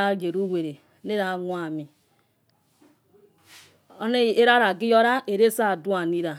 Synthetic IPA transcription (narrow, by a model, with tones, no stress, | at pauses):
a˦ɡe˨ɾu˦we˨ɾe˨˦ne˦ɾa˨˦ŋu˦a˨mi˨ | o˦ne˦˨e˦ɾa˦ɾa˨ɡi˦jo˦ɾa˦e˨ɾe˦sa˦˨du˦a˨ni˦ɾa˨